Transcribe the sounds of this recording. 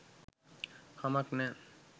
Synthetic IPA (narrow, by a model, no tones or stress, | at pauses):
hamaknɛ